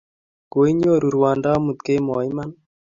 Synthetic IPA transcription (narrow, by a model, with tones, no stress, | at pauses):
ɡo˨i˦ɲo˦ɾu˨ɾwa˨nda˦mu˨t̪ke˦mɔ˨i˦ma˦n